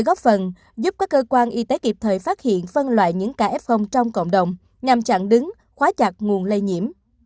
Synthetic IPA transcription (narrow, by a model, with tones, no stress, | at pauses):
jɣɔ˦˥p̚fə˨˩n | zu˦˥p̚kaː˦˥kːəː˧kwaː˧nʔi˧t̪e˨˦ki˨˩p̚t̪ʰəː˨˩jfaː˦˥t̚hḭ˧˨ənfə˧nlwa̰ː˧˨jɲɨ̰˧˥ŋkaː˧˩ʔɛ˦˥p̚xə˧wŋ͡mt͡ɕɔ˧wŋ͡mko̰˧˨wŋ͡mɗə˨˩wŋ͡m | ɲa˧mt͡ɕa̰˧˨ŋɗɨ˨˦ŋ | xwaː˨˦t͡ɕa˨˩t̚ŋu˨˩ənlə˧jɲḭ˧˩əm